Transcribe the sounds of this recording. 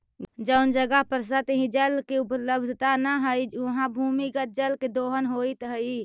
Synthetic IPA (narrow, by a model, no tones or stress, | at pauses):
d͡ʒəʊnd͡ʒəɡəɦpəɾs̬ət̪ɦĩd͡ʒəlkeupələbd̪ʱət̪anəɦəjuɦãbʱumikət̪̚d͡ʒəlked̪oɦənɦoit̪ɦəj